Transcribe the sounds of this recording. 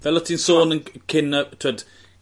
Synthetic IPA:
vɛlɔtʰinsoːnənkʰɪnətʰuəd̥

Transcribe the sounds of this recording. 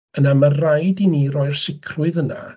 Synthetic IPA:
ənamarajdinirɔjrsɪkʰrʊɨðəna̰

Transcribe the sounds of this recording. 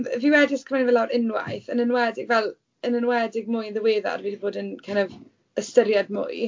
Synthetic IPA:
mviwɛdɪskʰəmanivɛlawɾɪnwa̰jθənənwɛdɪɡvɛlˠ | ənənwɛdɪɡ̚mʊjnðəweːða̰rvidiboːdənkʰanav | əstəɾjadmʊ̰j

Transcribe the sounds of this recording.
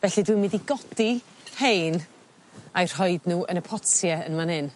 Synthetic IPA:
vɛɬidwɪmɪðiɡɔdi | hejn | ajr̥hɔɨdnuːʔənəpʰɔtjɛənmanhɪn

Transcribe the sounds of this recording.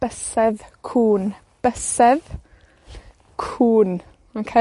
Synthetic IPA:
b̥əsɛðkʰuːn | b̥əsɛð | kʰuːn | mankʰɛ

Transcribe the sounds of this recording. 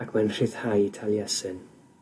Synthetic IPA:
akʰmɛnr̥ɪð̥hajtʰalˠjɛsɨn

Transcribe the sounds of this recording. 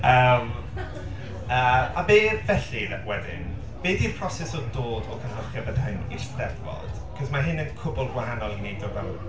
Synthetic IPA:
əːm | əːabeːvɛɬiwɛdɪ̰n | b̥eːdirpʰr̥ɔsɛsɔdoːdɔkʰənləχjəbəd̥hɨniʃðɛðwɔ̰d̥kʰɔsmaɦɪnənkʰʊbʊlˠdɡwaɦanɔlˠinedɔɡal

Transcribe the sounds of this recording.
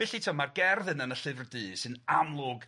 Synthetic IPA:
ɪɬitʰɔmarɡɛrðɨnənəɬɨvrdɨːsɨnamlˠʊɡ

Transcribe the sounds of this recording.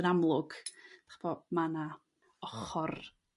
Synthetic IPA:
ənamlˠʊɡ̥d̪̥ḁχb̥ɔmana | ɔχɔr

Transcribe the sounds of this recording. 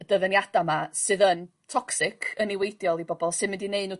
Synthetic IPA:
d̥əvənjadamasɨðən | tʰɔksɪkʰəniwejdjɔlˠibɔbɔlˠsɨðmɪndineɨnuː

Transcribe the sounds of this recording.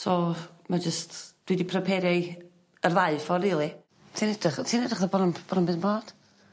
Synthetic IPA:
sɔmad͡ʒəstd̥widipʰrəpʰɛɾɛ | ərvaɨfɔriːlˠi | tʰinɛd̥rəχtʰiːnɛdrəχðəbɔnəmb̥ɔɾnəmbɨðmboːd̥

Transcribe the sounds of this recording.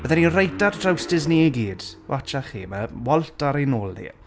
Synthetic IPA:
b̥əðɛninrejtaddʰrawstɪzniiɡiːd̥wʔat͡ʃaχḭːməwɔlˠtaɾejnoːlˠnḭ

